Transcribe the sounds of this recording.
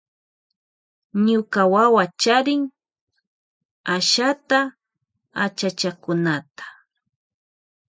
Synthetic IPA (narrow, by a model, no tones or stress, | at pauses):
ɲʊkawawat͡ʃaɾɪŋ | aʃat̪a | a̰t͡ʃat͡ʃakʊnat̪ḁ